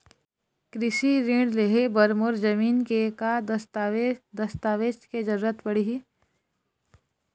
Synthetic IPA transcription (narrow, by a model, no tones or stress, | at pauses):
kɾɪʃiɾĩɽleɦebɐɾmoɾd͡ʒɐmiːnkeka | d̪ɐst̪aːʋeːsked͡ʒɐɾuːɾət̪bɐɽiɦi